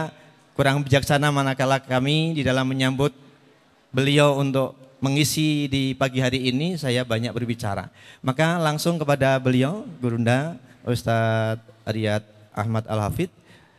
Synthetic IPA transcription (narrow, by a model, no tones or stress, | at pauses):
kuɾaŋbid͡ʒaksanamanakalakamididalamːəɲambʊt̪̚ | bəliaunt̪ʊk̚məŋisidipaɡiɦaɾiːnisajabaɲak̚bərbit͡ʃa̰ɾa̰makalaŋsʊŋkəpadabəlioɡuɾundaʔust̪at̪̚aɾiat̪̚ʔa̰hmat̪a̰lɦafɪt̪̚